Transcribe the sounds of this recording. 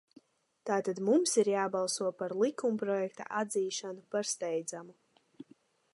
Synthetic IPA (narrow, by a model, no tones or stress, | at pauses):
t̪aːt̪ad̪mumsiɾjaːbalˠsuɔpaɾlˠikumpɾɔjɛkt̪a̰ʔad̪ziːʃanupaɾst̪ɛjd̪zamu